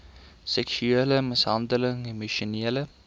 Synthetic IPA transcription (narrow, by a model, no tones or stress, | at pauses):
sɛksyeləməsɦɐndələŋemoʃoneːlə